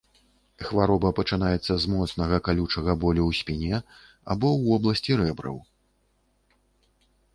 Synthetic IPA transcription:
xvaɾɔbɐpɐt͡ʂɨnajɛt̪sːɐzmɔt̪snɐɣɐkalʲut͡ʂɐɣɐbɔlʲuwsʲpʲinʲɛ | a̰bɔwvɔblˠɐsʲt͡sʲiɾɛbɾɐ̰w

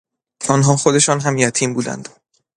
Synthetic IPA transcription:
ɒːnɦɒːxo̞d̪e̞ʃɒːnɦæmjæt̪ʰiːmbuːd̪æ̰nd̪

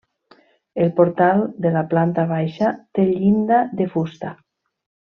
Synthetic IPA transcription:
elpoɾt̪alˠd̪elaplant̪aβ̞ajʃat̪eʎind̪aðefust̪a

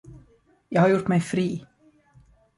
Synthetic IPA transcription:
jɑːɡhaɾjʊʈːmɛjfɾiː

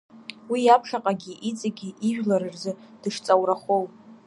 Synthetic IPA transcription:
wijapʰʂaqʼaɡʲiʔit͡sʼaɡʲiʔiʒᶣlaɾɨrzɨd̥ɨʂt͡sʼawraχow

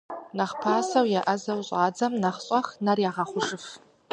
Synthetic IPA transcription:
naχpʰaːsɐwjaʔɐzɐwɕʼaːd͡zɐmnɐχɕʼɐxnarjaʁɐχʷʊʂɨf

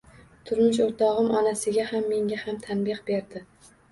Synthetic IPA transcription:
t̪ʰʊɾmɪʃ̬oɾt̪ʰɒʁɨmʔɒnasɪɡʲahamːe̞ŋɡʲahamt̪ʰanbɪqbe̞ɾd̪ɪ

